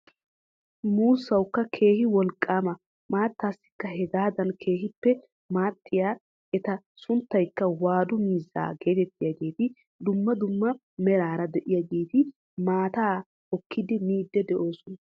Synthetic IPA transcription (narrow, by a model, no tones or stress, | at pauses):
muːsːɐwkːɐkʰe̞ːhɪwɔlkʼːaːmɐ | maːt̪ːaːsːɪ̥kːɐhɛɡaːd̪ɐnkʰe̞ːhɪpːɛ | maːt̪ʰːɪjaː | ʔɛt̪ɐ | sʊnt̪ːɐjkːɐwaːd̪ʊmiːzːa̰ːɡe̞ːt̪ɛt̪ːɪjaɡe̞ːt̪ɪ | d̪ʊmːɐd̪ʊmːɐ | mɛɾaːɾɐd̪ɛʔɪjaɡeːt̪ɪ | maːt̪aː | ɔkʰːɪd̪ɪmiːd̪ːɛd̪ɛʔoːsɔnɐ